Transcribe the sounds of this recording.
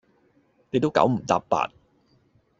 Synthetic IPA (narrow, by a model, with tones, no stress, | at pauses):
ne˨˧jt̪o˥wka̰˨˥wm̩˨˩t̪a̰ː˨˧ppa̰ː˧t̚